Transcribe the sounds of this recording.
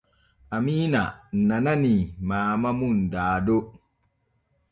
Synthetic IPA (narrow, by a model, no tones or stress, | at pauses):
ʔamiːna̰nananimaːmamundaːdo